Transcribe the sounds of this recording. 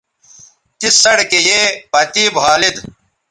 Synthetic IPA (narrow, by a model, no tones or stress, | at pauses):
t̪isɐɽkejeːpɐt̪ibʱaːlid̪